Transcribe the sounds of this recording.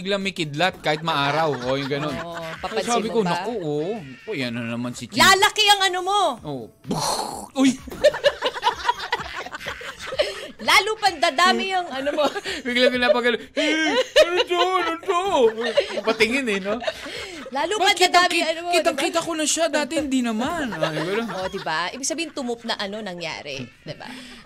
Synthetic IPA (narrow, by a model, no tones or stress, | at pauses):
bɪɡlaŋmɐkɪd̪lat̪̚kaːhɪt̪̚mɐʔaːɾɐwʔojʊŋɡɐno̞nɐsosaːbɪkonɐkoʔonɐkojɐnɐnɐmansɪt͡ʃlalɐkɪɐŋɐnomoʔoːʔ | boj | laːlupɐnd̪ad̪aːmɪjɐŋɐnomobɪɡlɐɡʊnɐpɐɡɐnohɛ | d͡ʒ̪onʊd̪o | ɐpɐt̪ɪŋɪnɛno | laːlupɐpɐndk̪iatd̪ɐaːmɪkiɐnokiːt̪ɐŋkiːt̪ɐkonɐʃad̪aːt̪ɛhɪnd̪inɐmanosɪɡuɾoʔod̪ɪbaʔḭːbɪɡ̥̚sɐbiːhɪnt̪ʊmʊp̚nɐʔɐno̞nɐŋja̰ːɾɛ̰d̪ɪba̰